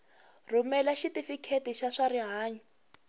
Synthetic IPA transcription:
rumɛlaʃitifikʰetiʃaʂaɾiɦaːɲi

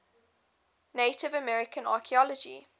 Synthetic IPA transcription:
neɪtɪvəmɛɹɪkʰə̃na̰ːˑkʰiɔlɔd͡ʒḭ

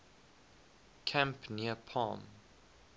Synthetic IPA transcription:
kʰæ̃mpniəpʰɑ̰ːm

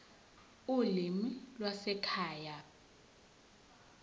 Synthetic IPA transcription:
ulimilwasɛkʰaːja

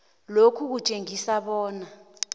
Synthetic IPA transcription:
lokʰuk̬ut͡ʃʼeŋisaɓɔːna

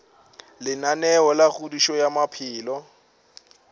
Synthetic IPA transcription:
lɪnanɛɔlaɣudiʃɔjamapʰɪːlɔ

